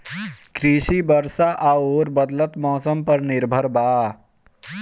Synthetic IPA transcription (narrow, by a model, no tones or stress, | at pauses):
kɾiʃibəɾsaʔaoɾbəd̪lət̪mɔːsəmpəɾniɾbʱəɾbaː